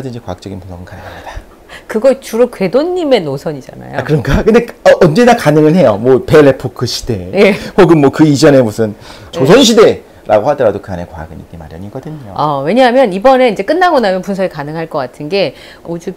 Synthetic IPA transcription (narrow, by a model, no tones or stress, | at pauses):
adɯnd͡ʑikwak̚t͡ɕ͈ʌɡinpunsʰʌɡɯnkanɯŋɦamida | kɯɡʌt͡ɕuɾokwe̞doɲːime̞nosʰʌɲid͡ʑa̰na̰joakɯɾʌnɡakɯndeʌʔʌnd͡ʑe̞nakanɯŋɯnɦe̞jomwʌpe̞lepʰokʰɯɕʰi̥de̞jehoɡɯnmwʌkɯid͡ʑʌne̞musʰɯn | t͡ɕosʰonɕ̬ʰide̞ | ɾa̰ɡohadʌɾadokɯane̞kwaa̰ɡɯnḭɡima̰ɾjʌ̰ɲiɡʌdɯɲo̰ʌwe̞ɲaɦamjʌnibʌne̞id͡ʑe̞k͈ɯnːaɡʌnamjʌnpuns̬ʰʌɾikanɯŋɦaɭk͈ʌk͈atʰɯnɡe̞ | od͡ʑu